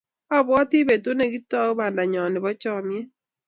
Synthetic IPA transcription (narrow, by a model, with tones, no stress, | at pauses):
ɔ˦bwɔ˦tɪ˦be˨to˦ne˨ɡi˦tɔ˦ba˨nda˨ɲɔ˨nɪ˨bɔ˦t͡ʃɔ˦mjɛ˦